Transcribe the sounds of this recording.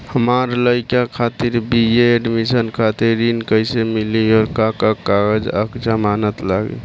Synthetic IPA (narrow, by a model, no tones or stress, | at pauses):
həmaɾləɪkakʰat̪iɾbieeɖmisənkʰat̪iɾinkəjsemiliɔɾkakakaɡəd͡ʒə̰kd͡ʒamanət̪laɡḛ